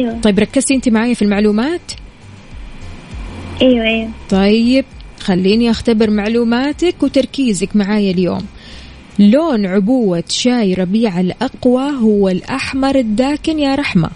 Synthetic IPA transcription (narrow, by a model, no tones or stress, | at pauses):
watˤɑjːbɾˤɑkːaz̥t̪iʔɪnt̪imaʕaːjafilmaʕluːmaːt̪ | ʔiːwaʔeːwat̪ˤɑjːɪb̚xalːiːniʔaxt̪abɪɾmaʕluːmaːt̪akwt̪ɑɾˤkiːzakmaʕaːjaljo̰ːm | loːnʕʊbuwːaʃaːjɾˤɑbiːʕalʔɑqwaɦʊwːalʔaħmɑɾˤɪd̪ːaːkɪnjaːɾˤɑħma̰